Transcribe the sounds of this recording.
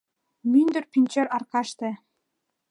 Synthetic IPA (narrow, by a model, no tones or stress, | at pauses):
mynd̪ɘ̆rpʲinʲt͡ɕɘɾɑrkɑʃt̪ĕ